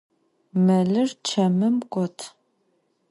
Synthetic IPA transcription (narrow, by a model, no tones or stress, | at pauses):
mɐɮɨrt͡ʃʰɐmɨmkʷʼɔtʰ